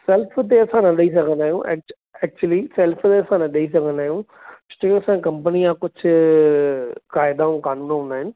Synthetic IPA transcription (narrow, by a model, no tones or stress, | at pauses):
sɛlpʰt̪̬eɐsãnɐɗɐis̬ɐkʰə̃nd̪aːɦjũːʔɛ̰k̚ | ɛːk̚t͡ʃuəlisɛːlpʰt̪eːɐsãːnɐɗɐis̬ɐkʰə̃nd̪aːɦjũː | sʈekɐsãːkɐ̃mpənijãkʊt͡ʃʰ | kaːɪd̪aɦũkaːnũːnɦõːnd̪aːɦɪnɪ̆